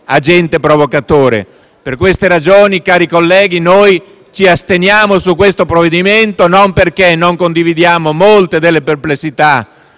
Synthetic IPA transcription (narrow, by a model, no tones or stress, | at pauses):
ad͡ʒɛnt̪epɾovokat̪oːɾḛ | perkwest̪eɾad͡ʒoːnikaːɾikolːɛːɡinoj | t͡ʃiast̪enjaːmosukːwest̪opɾovːed̪iment̪onomperkenːoŋkond̪ivid̪jaːmomolt̪ed̪elːeperplesːit̪a